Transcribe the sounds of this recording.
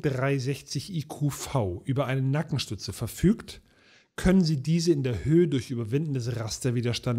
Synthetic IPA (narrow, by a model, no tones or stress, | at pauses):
d̥ʁaɪzɛçt͡sɪçʔiːkʰuːfaʊʔyːbɐʔaɪnənakŋ̩ʃtʏt͡səfɛɐfyːkt | kʰœnənziːdiːzəɪndeːɐhøːədʊɐçʔyːbɐvɪndn̩dəsʁastɐviːdɐʃtan